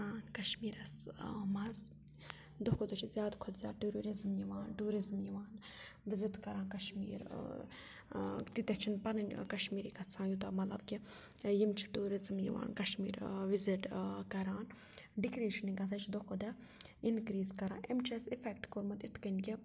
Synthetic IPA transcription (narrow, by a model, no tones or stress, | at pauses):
aːnkɐʃmiːɾɐsmɐz | d̪okod̪ɐt͡ʃʰizʲjaːd̪kʰod̪zʲja̰ːʈuɾoːɾizmjiʋaːnʈuːɾizmjiʋaːn | ʋizit̪kɐɾaːnkɐʃmḭːɾ̰ | t̪it̪et͡ʃʰinpɐnɐnʲkɐʃmiːɾikɐt͡sʰãːjut̪amɐt̪lɐ̰bkʲijimt͡ʃʰi̥ʈuːɾizmjḭʋa̰ːnkɐʃmḭːɾʋiziʈkɐɾaːn | ɖikɾiːʃɐniɡɐt͡sʰat͡ʃʰid̪okod̪ɐ | inkɾiːzkɐɾã̰ːʔemt͡ʃʰesifʰekʈkoɾmɐt̪it̪ʰkɐnki